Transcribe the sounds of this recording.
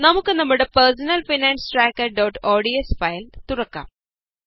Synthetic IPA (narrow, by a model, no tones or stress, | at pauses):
nɐmukːɨnɐmːuɽepɐɾs̬ɐnɐlfinaːnsʈɾaːkːɐɾɖɐwʈoːɖiesfɐjlt̪urɐkːa̰ːm